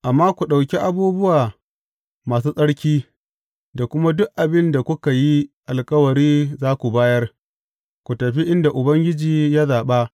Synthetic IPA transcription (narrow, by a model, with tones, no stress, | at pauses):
ʔa˨mːaː˦kʷu˨ɗa˨wkʲi˦ʔa˨buː˦bʊ˦waː˨ | maː˨s̬uː˦sʼɐ˦ɽkʲiː˦ | da˨kʷʊ˦ma˦dʊ˦ʔʔa˨bɪ˦nda˨kʷʊ˦ka˨ji˦ʔa˨lkʼɐ˦wɐ˨ɾiː˦zaː˦kʷu˨baː˦jɐ˦r | kʷu˨tɐ˨ɸi˦ʔɪ˦nda˨ʔʊ˨bɐ˦ŋɡʲɪ˦d͡ʒiː˨ja˦zaː˨ɓa˦